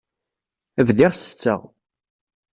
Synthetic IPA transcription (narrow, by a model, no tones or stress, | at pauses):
əvðɪʁsə̥t͡sːə̰ʁ